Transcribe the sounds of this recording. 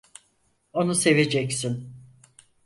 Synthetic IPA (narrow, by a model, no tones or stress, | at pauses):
o̞nuse̞ve̞d͡ʒɛcsin